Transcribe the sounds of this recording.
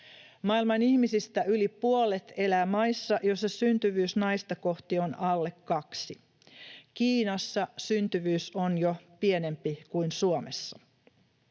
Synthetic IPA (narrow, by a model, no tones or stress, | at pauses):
mɑilmɑnihmisist̪æylipuolet̪e̞læːmɑisːɑʔjosːɑsynt̪yʋyːsnɑijst̪ɑko̞ht̪ionʔɑlːe̞kːɑksi | kiːnɑsːɑsynt̪yʋyːsonjopiene̞mpikuinsuomesːɑ